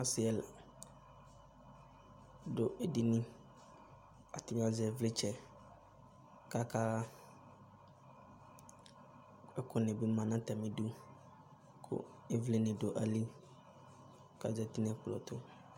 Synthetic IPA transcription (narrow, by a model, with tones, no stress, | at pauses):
a˦sɪ˨ɛ˨l | do˨ɛ˨di˦nɪ̃˦ | a̰˨t̪ɪ˨m̃˦a˦zɛ˨vle˦t͡ʃɛ˨ | ka˦kaː˦ | ɛ˦kʰʊ˦nẽ˨bi˦mã˨nã˦t̪ɛ˨mɪ̃˨du˦ | kʰʊ̰˦ | e˦vle˦nɪ̃˨do˨ʔa˨li˦ | ka̰˨zɛ˨t̪i˦n˦ɛ˨k͡plɔ̰˨t̪ʊ˦